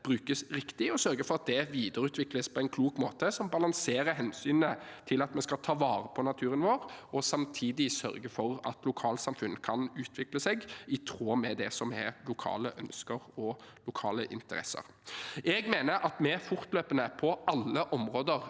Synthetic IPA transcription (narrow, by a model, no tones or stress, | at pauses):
b̥ɾʉːkəsɾɪkt̪ɪɔsœɾɡəfɔʁɑt̪̚d̪ɛʋiːd̪əɾʉːt̪ʰʋɪkləspʰɔɛɪnkʰluːkmoːt̪əsɔmbɑlɑŋseːɾəɦɛnsyːnət̪ʰɪlɑt̪mɛskɑt̪ʰɑːʋɑːɾəpʰɔnɑt̪ʰʉːɾənʋoːɾɔsɑmt̪ʰiːd̪ɪsœ̰ɾɡəfɔɾɑ̰t̪lʊkʰɑːlsɑmfʉnːkʰɑnʉːt̪ʰʋɪkləsɛɡɪt̪ʰɾoːmɛd̪ɛsɔmɛ̰lʊkʰɑ̰ːləʔœnskəɾɔlʊkʰɑ̰ːləʔɪ̰nt̪əɾɛ̰sə̰ɾ | ɛɡmeːnəɾʔɑt̪mɛfʊɾt̪løːpənəpʰɔɑlːəʔɔmʁoːd̪əɾ